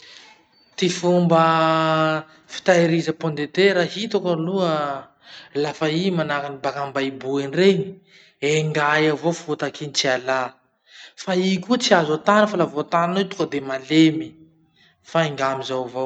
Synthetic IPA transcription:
t̪ifumbə | fi̥t̪aiɾizəpond̪et̪eɾahit̪okəluə | lafaimanakinibakambaibuenreɲi̥ | eŋɡajavofut̪akʰinit͡siala | faikut͡siazat̪anəfalavot̪ananot̪u̥kəd̪emalemi | faiŋɡamizawvow

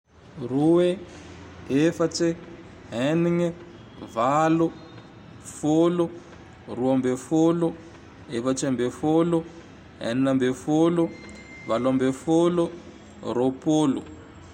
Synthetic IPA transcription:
ruwe | efat͡si | ɦɛniŋɛ | valo | folo | ruambefolo | efat͡ʃɛmbefolɔ | ɦɛ̰nnambefolo | valambefolo | ropolṵ

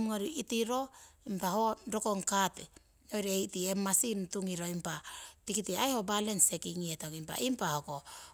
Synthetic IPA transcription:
mŋaɾiitiɾo̞impahoɾoko̞ŋkate | ojɾeejtiemːasintuŋiɾo̞impatikitiajho̞balense̞kiŋietokimpa̰impahoko

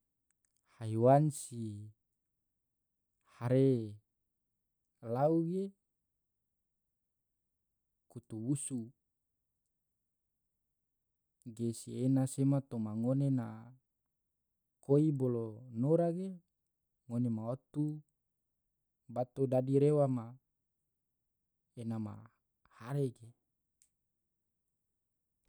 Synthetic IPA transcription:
haiwansi | haɾe | lauɡe | kut̪uwusu | ɡesienasemat̪omaŋonena | koibolonoɾaɡe | ŋonemaot̪u | bat̪odadiɾewama | enama̰ | haɾeɡe

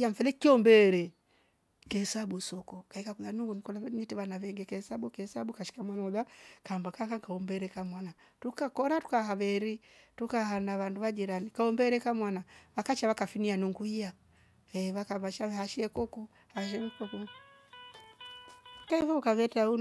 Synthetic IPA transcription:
aɱ̩fɛlɛkiɔmbɛɾɛ | kɛhɛsabusɔkɔkaikakulanuŋɡunikɔlaɲitɛβanaβɛŋɡɛkɛhɛsabukɛɛsabukaʃi̥kamwanɔðakambakakaŋkaɔmbɛɾɛkamwana | tukakɔɾatu̥kahaβɛɾitukahanaβanduβad͡ʒiɾanikaɔmbɛɾɛkamwanaβakat͡ʃaβakafinianuŋɡuija | ɛβakabaʃaβɛhaʃɛkɔku | haʃ̬ɛmkɔku | kaivɔukaβɛtaun

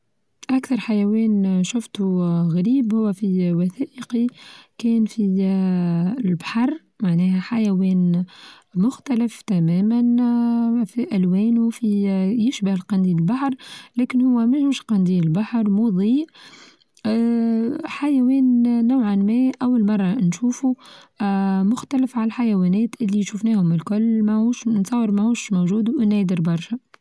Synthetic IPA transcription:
ʔækθɑɾˤħajæwɛːnʃʊft̪uɣaɾiːbhʊwːæfiwaθæːʔəqikɛːnfi | lbḁħɑɾˤ | maʕnɛːhæħajæwɛːn | mʊxt̪ælɪft̪æmɛːmæn | fiʔælwɛːnufijɪʃbəhɪlqɑnd̪iːlbaħɾˤlɛːkɪnhʊwːæmɛhɪmʃqɑnd̪iːɪlbaħɾˤmuðˤiːʔ | ħajæwɛːnːawʕanmɛʔæwːalmɑrˤːɑnʃuːfu | mʊxt̪ælɪfʕalħajæwɛːnɛːt̪ʔɪlːiʃufnɛːhʊmɪlkʊlːmɛhuːʃnsˤɑːwːəɾmɛhuːʃmowʒuːd̪uʔɪnæːd̪ɪɾbɑɾˤʃɛ

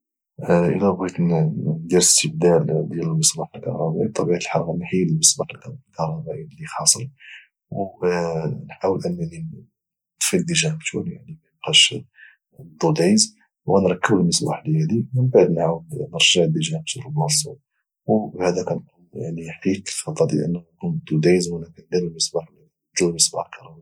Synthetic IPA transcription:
ʔə̰læbit̪d̪iɾəst̪əb̚d̪æld̪jæləlməsˤbɑħəlkɑ̰ɾɾˤɑbḭb̚t̪ˤːɑbiʕat̪əlħɑɾˤɣɑnħiləlməsˤbɑħəlklkɑɾˤɑbæʔilːixɑsˤəɾ | w | nħawəlʔənːæʕni | d̪fild̪iʒænkt̪ʰuɾjaʕnimæjqɑʃ | d̪ˤːud̪iz | wɣænɾˤɑkːəbəlməsba̰ħlhæd̪imənbaʕd̪nħawəlnəɾˤʒaʕd̪iʒænək̚t̪uɾbɑsˤṵt | wbhæd̪ækænkunja̰ʕniħiklxɑt̪ˤːɑɾd̪ḭʔə̰nːnkund̪ud̪izwənækænd̪iɾəlməsbaħl | ʒulməsbɑħlkɑɾˤɑbæ

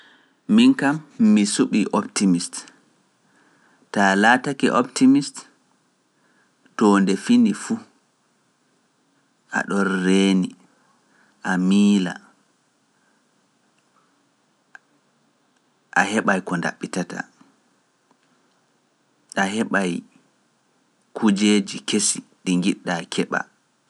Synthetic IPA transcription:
minkamːisuɓiʔɔptimist | talaːtakḭʔɔptimist | tɔːndɛfindifu | ʔa̰ɗɔnːeːni | ʔamiːla̰ | ʔahɛɓajkɔnda̰ɓːitata̰ | ʔaɦɛɓaj | kʰud͡ʒeːd͡ʒikesiɗiŋɡiɗːakʰɛɓa̰

